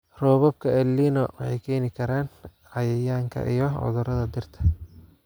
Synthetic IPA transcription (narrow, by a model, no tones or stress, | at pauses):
rɔːβɐb̚kʰɐɛlːiːnɔwɑħɑjkʰɛːnɪkʰɐɾaːn | ʕɑjɛjaːŋkʰɐ̰ʔijɔʕɔ̰ðʊɾɐðɐd̪ɪrt̪ʰɐ̥